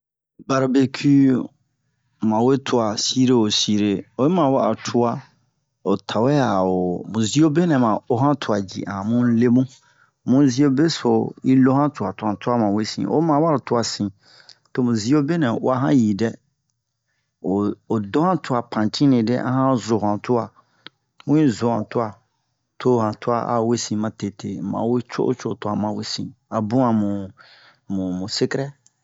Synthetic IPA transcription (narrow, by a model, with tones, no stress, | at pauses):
ba˨ɾa˨be˨kʰi˦ | mã˨we˦tʰʊ˨a˨si˦ɾe˦o˨si˦ɾe˨ɔ˨ɛ˦mã˨wa˦a̰˨tʰʊ˦a˦ | ɔ˨tʰa˨wɛ˦a˨ɔ˨mũ˨zi˦o˦be˦nɛ̃˨mã˨ɔ˦ɦã˦tʰʊ˨a˨d͡ʑḭ˨ʔã˨mũ˦n̩˦le˦mũ˦ | mũ˦zi˦o˦be˦sʊ˨i˦lo˦hã˦tʰʊ˨a˨tʰʊ˨ã˨tʰʊ˦a˦mã˨we˦sḭ̃˨ʔɔ̰˦mã˨wa˦ɾtʰʊ˦a˨sĩ˨ | to˦mũ˨zi˦o˦be˦nɛ̃˨o̰˦a˨ɦã̰˦ji˨dɛ˦ | o˨o˨do˦hã˦tu˦a˨pʰã˨tĩ˦nĩ˨dḛ˦ʔa̰˦hã˦zo˨ã˨tu˦a˨ | mũ˦ĩ˦zo˨hã˨tu˦a˨ | tʰo˦hã˨tu˦a˦˨ʔa̰˦˨we˦sĩ˨mã˨te˨tʰe˨˦mã̰˨˦we˦t͡ʃo̰˦ʔo̰˦t͡ʃo˦˨tu˨˦˨a˨mã˨we˦sḭ̃˨a˨bũ˦ã˨mũ˨ | mũ˨mũ˨se˦kɾɛ˦